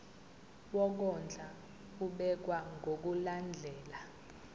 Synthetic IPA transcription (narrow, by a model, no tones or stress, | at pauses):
wɔk̬ɔnd͡ɮʱa | uɓɛk̬waŋɡʱok̬uland͡ɮʱɛːla